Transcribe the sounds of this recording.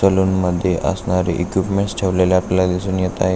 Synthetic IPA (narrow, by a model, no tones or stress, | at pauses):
əluːnməd̪ʱːjeʔə̰snaɾḭʔekʋipmeɳʈsʈʰeʋlelaaplelad̪isuːnjet̪ae